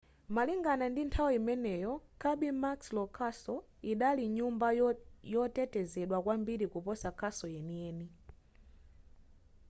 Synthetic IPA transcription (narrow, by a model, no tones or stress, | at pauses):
maliŋɡanandintʰawiimɛnɛjɔkʰaɓimakslɔkʰasɔ | iɗaliɲumbajɔtɛtɛzɛɗwakwambiɾikupɔsakʰasɔjɛniɛːni